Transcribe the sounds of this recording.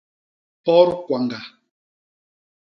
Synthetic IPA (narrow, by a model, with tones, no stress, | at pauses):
pɔ˦ɾkwa˨ŋɡa˨